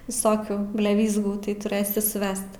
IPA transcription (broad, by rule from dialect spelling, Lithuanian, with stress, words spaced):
ʋʲɪˈsoːkʲuː bʲlʲɛˈʋʲiːzɡuː tɐɪ tʊˈrɘsʲɪ sʊˈʋʲɛst